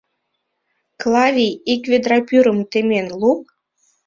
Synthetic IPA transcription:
klˠɑvʲijikvʲed̪ɾɑpyɾə̆mt̪emʲenlˠuk̚

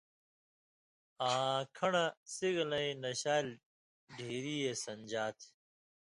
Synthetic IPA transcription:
ɐɦãːkʰɐɳasiɡlɐĩnɐɕaːl | ɖʱiːɾiːesɐnd͡ʑaːt̪ʰ

